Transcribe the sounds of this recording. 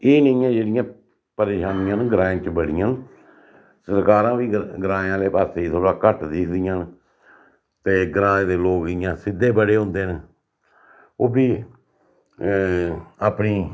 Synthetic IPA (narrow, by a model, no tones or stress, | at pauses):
eːnəĩːãːd͡ʒeːɽɪjãː | pəɾeːʃaːnɪjãːnɡɾãːẽːt͡ʃəbəɽ̤ɪjãːn | səɾkaːɾãːʋiːɡɾãːãːleːpaːɾseːit̪ʰoːɽaːkəʈd̪eːkʰd̪ɪjãːn | t̪eːɡɾãːd̪eːloːkɪːjãːsɪd̪ːeːbəɽeːɦʊ̃ːnd̪eːn | oːbiː | aːpniː